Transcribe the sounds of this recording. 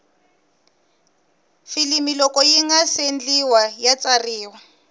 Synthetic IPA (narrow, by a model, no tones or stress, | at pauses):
filimilɔkʼɔjiŋasend͡ɮiwajat͡sariːwa